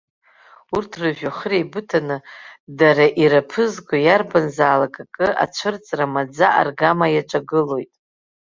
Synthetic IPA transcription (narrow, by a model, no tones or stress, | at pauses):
urtʰrɨʒᶣaχrejbɨtʰanɨdaɾaʔiɾapʰɨzɡʷajarbanzaːlakʼakʼɨʔa̰t͡ʃʷʰɨrt͡sʼramad͡zaʔa̰rɡamajaʈ͡ʂʷʼaɡɨlo̞jtʼ